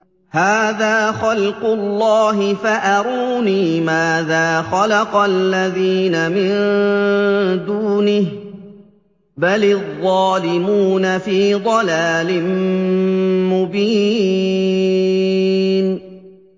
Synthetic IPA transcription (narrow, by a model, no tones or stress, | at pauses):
haːðaːxɑlqʊlːɑːɦɪfaʔɑɾuːniːmaːðaːxalɑqɑlːaðiːnamɪn | d̪uːnɪh | balðˤːɑːlɪmuːnafiːd̪ˤɑlaːlɪm | mʊbiː | n